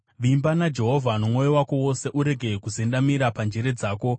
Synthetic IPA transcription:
ʋimbanad͡ʒe̞ɦo̞vʱanumŋo̞jowako̞wo̞se̞ʔuɾe̞ɡʱe̞kuzendamiɾapand͡ʒeɾe̞d͡zaːko̞

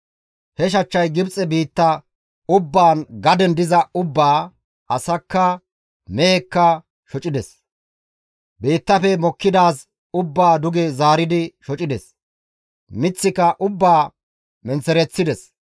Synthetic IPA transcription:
hɛʃ̬ɐt͡ʃːɐjɡɪbt͡sʼɛbiːt̪ːɐ | ʊbːaːnɡɐd̪ɛnd̪ɪzɐʊbːaː | ɐsɐkːɐ | meːkːɐ | ʃɔt͡ʃʼɪd̪ɛs | beːt̪ːɐfɛmɔkːɪd̪aːs | ʊbːaːd̪ʊɡɛzaːɾɪd̪ɪʃɔt͡ʃʼɪd̪ɛs | mɪt͡sːɪkɐʔʊbːaː | mɛnt͡sɛɾɛt͡sːɪd̪ɛs

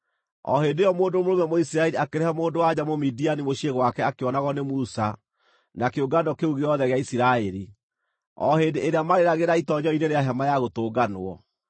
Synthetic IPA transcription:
ɔ̰ɦeːndejɔmoːndomoomɛmoisiɾaɛɾiakeɾehɛmoːndowaɲamomidianimoʃieɣwakɛakeɔnaɣɔnemusa | nakeoɡanɔkeuɣeɔðɛɣeaisiɾaɛɾi | ɔ̰hendeːɾeamaɾeɾaɣeɾaitɔɲɔineɾeaɦɛmajaɣotoːɡano̰ɔ̰

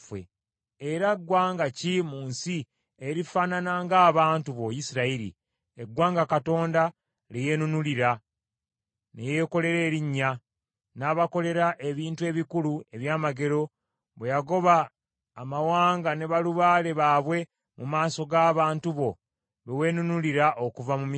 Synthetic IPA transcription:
fwḛ | eɾaɡwaːŋɡacimuːnsi | eɾifaːnanaŋɡaːβaːntuβojisiɾaiɾḭ | eɡwaːŋɡakato̞ːnda | leje̞nunuliɾa | nejeːko̞le̞ɾe̞ːɾiɲːa | naːβako̞le̞ɾaʔe̞βiːntue̞ːβikulue̞βjaːmaɡe̞ɾo̞ | βwejaɡo̞βaː | mawaːŋɡane̞βaluβaːle̞βaːβwe̞ | mumaːso̞ɡaːβaːntuβo̞ | βewe̞ːnunuliɾaʔo̞kuvamumi

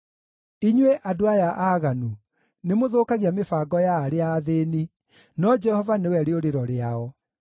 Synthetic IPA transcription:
iɲweʔadoajaʔaɣanu | nemoðoːkaɣiamefaːɡɔjaːɾeaðeːni | nɔd͡ʒɛhɔvanewɛɾeoɾeɾɔɾeaɔ

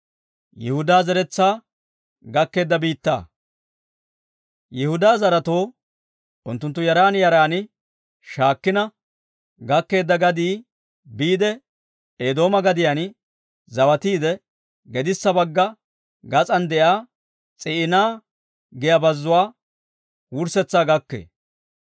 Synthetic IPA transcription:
jɪhʊd̪aːzɛɾɛt͡sːaː | ɡɐkːe̞ːd̪ːɐbiːt̪ːa̰ː | jɪhʊd̪aːzɐɾɐt̪o̞ː | ʔʊnt̪ːʊnt̪ːʊjɐɾaːnjɐɾaːnɪ | ʃaːkːɪnɐ | ɡɐkːe̞ːd̪ːɐɡɐd̪iː | biːd̪ɛ | eːd̪o̞ːmɐɡɐd̪ɪjɐn | zɐwɐt̪iːd̪ɛ | ɡɛd̪ɪsːɐbɐɡːɐ | ɡɐt͡sʼɐnd̪ɛʔaː | t͡sʼɪʔɪnaː | ɡɛjɐbɐzːʊwaː | wʊɾsɛt͡sːaːɡɐkːḛː

